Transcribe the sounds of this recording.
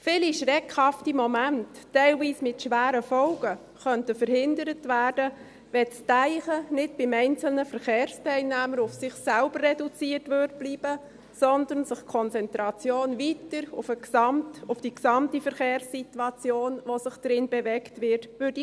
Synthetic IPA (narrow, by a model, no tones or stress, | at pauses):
fɪliʃɾɛkʰhɑftimɔmæntːæɪlviːsmɪtʃʋæːɾəfɔlɡ̥ə | χœntəfəɾhɪndəɾətvæːɾd̥ə | ʋɛt͡stæɪχənɪt̚b̥ɪmɛɪnt͡sl̩nəfəɾχeːɾstʰæɪlnæːməɾʊfsɪχsælb̥ərːɛdut͡siːətʋød̚b̥liːb̥ə | sɔndənsɪχkʰɔnt͡sɛntɾɑt͡sjoːnvitəɾʊfəɑmtʊfd̥iksɑmtifəɾχeːɾsːituɑt͡sjoːnʋosɪχd̥ɾɪnbɛvɛktʋɪtʋʏːɾd̥i